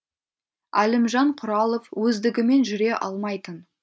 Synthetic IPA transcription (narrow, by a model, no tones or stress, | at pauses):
ælɪmʒɑɴqʰʊɾɑlˠovwɵzd̪ɪɡʲɪme̞nʒʏɾe̞ʔɑlˠmɑjt̪ən